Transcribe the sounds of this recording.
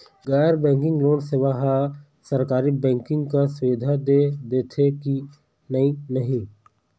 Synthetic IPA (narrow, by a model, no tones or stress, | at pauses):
ɡaːjəɾbɛ̃ːŋkɪ̃ŋɡloːnseʋaɦa | səɾkaːɾibɛ̃ːŋkɪ̃ŋɡkasʋɪd̪ʱad̪ed̪eːt̪ʰeki | nəĩnəɦĩː